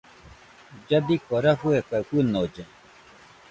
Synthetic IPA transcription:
d͡ʒabikoɾaɸuekakʷɨnod͡ʒe

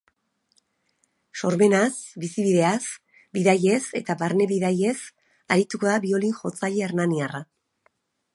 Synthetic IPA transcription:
so̞ɾβe̞nasbisiβiðe̞as | biðaje̞se̞t̪aβaɾne̞βiðaje̞s | aɾit̪uko̞ðaβio̞linʝo̞t͡saʎeeɾnaniara

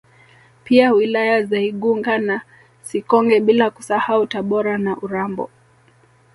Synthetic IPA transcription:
piawilajazaiɠuŋɡana | sikɔŋɡɛɓilaku̥sahautaɓɔɾanaʔuɾambɔ̰

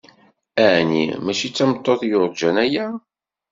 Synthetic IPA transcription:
ænḭmæʃit͡sːæmət̪ˤːoðjʊɾˤd͡ʒænæjæ

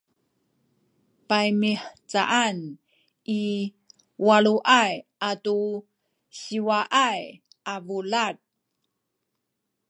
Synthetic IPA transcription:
pajmiħt͡sa̰ʔan | ʔi | waɭuʔajʔatu | ɕiwaʔaj | ʔavulat̚

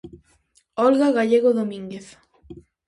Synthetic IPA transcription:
ɔlɣaɣaʎeɣoðomĩŋɡeθ

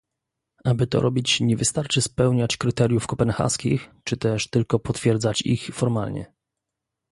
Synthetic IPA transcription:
abɘt̪ɔ̰ɾʔɔbʲit͡ɕɲɛvɘst̪aɾt͡ʂɘspɛwɲat͡ɕkɾɘt̪ɛɾʲjufkɔpɛnxa̰skʲixt͡ʂɘt̪ɛʂt̪ɘlkɔpɔt̪fʲjɛɾd̪zat͡ɕḭxfɔɾma̰lɲɛ̰

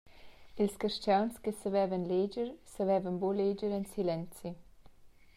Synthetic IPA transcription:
ilskəɾʃt͡ʃawnskəsəvɛvənled͡ʒəɾsəvɛvənboled͡ʒəɾɛnsilɛnt͡si

